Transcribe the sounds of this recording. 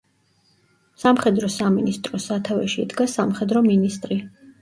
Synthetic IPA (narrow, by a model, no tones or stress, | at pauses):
samχɛd̪ɾɔsaminist̪ʼɾɔsat̪ʰavɛ̰ʃiːd̪ɡasamχɛd̪ɾɔminist̪ʼɾi